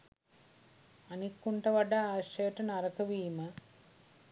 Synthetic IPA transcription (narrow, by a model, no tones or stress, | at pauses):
ɐnikːuɳʈɐʋɐɖɐaʂeːʈɐnɐɾɐkɐʋiːmɐ